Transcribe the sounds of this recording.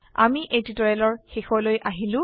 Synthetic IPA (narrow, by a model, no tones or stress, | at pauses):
a̰miʔejtitɔjɛlɔɹxixɔlojʔaɦilʊ̃